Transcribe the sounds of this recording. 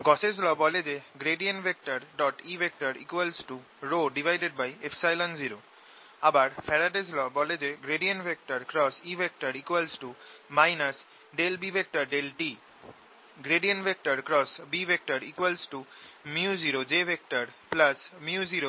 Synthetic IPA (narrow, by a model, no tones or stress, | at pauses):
ɡɔsed͡ʑlɔbɔled͡ʑeɡɾeɖiənbʱek̚ʈaɾɖɔʈibʱek̚ʈaɾḭkwalsʈu | ɾoɖibʱajɖeɖ̚bajefsajlɔnziɾo | abaɾfʰɛɾaʈed͡ʑlɔbɔled͡ʑeɡɾeɖiənbʱek̚ʈaɾkɾɔsibek̚ʈaɾikwalsʈumajnas | ɖelbibʱek̚ʈaɾɖelʈi | ɡɾeɖiənbʱek̚ʈaɾkɾɔsbibek̚ʈaɾikwalsʈumiud͡ʑiɾod͡ʑebʱek̚ʈaɾplasmjuziɾo